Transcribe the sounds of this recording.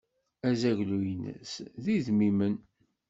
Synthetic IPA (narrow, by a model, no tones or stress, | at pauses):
æzæʝlujənːæ̰sðiðmimən